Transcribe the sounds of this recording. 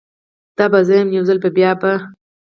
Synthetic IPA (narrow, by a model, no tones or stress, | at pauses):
d̪̥ɑbazajəmjawzalpebjɑba